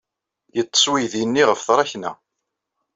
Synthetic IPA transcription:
jət͡sˤːə̥swijðinːiʁəfθɾˤɑçnæ̰

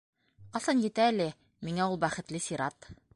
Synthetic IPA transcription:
qɑsɑnjɘ̆t̪æːlɘ | miŋæulˠbæχɘ̆t̪lɘsʲiɾɑt̪

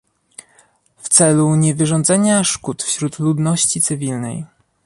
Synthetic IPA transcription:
ft̪sɛluɲɛvɘʐɔnd̪zɛɲaʂkut̪fɕɾut̪lud̪nɔɕt͡ɕit̪sɘvʲilnɛ̰j

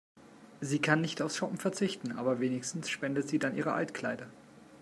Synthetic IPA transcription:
ziːkʰanːɪçtaʊfsʃɔpm̩fɛɐt͡sɪçtn̩ʔa̰ːbɐveːnɪçstn̩sʃpɛndətz̥iːdanʔḭːʁ̞əʔa̰ltkl̥aɪdɐ

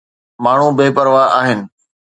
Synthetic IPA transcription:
maːɳ̤ubeːpəɾʋaaːɦɪnɪ̆

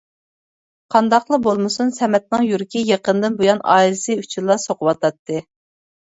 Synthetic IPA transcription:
qʰɑnd̪ɑqlˠəbolˠmɨsunsɛmɛt̪̚nɨŋjuɾkʲijeqənd̪ɨnbojɑnɑ̰ːilˠɪsɨyt͡ʃʰunlˠɑsoqʊwɑt̪ʰɑt̪ʰːɨ

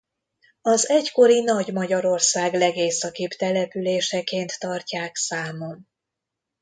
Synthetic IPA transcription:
ɒzɛcko̞ɾinɒɟmɒɟɒɾo̞rsaːɡlɛɡeːsɒkipt̪ɛlɛpyleːʃɛkeːnt̪ːɒrcaːksaːmom

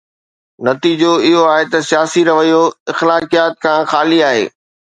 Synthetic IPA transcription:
nɐt̪iːd͡ʑoɪɦoaːɦet̪ɐsijaːsiɾɐʋəjoɪxlaːkijaːt̪̚kʰãːxaːliaːɦḛː

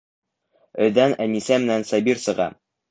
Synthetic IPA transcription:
ɵ̆ðænænisæmɘ̆nænsɑbiɾsɤ̆ʁɑ̰

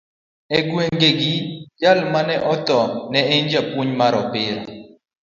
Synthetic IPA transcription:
ɛɡweŋɡeɡid͡ʒalmanɛʔɔt̪ɔnɛeɲd͡ʒapwuɲmaɾɔpɪɾa̰

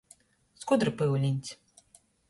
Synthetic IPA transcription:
skud̪ɾɨpɨwlʲinʲt̪ʲ

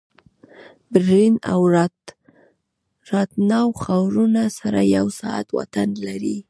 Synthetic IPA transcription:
bɾinawɾ | ɾɑt̪̚nɑwxawɾunasaɾajawsɑa̰t̪wa̰t̪anlaɾi

